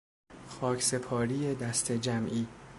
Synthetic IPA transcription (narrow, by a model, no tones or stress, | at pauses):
xɒːcʰse̞pʰɒːɾiːjed̪æst̪ʰe̞d͡ʒæmʔiː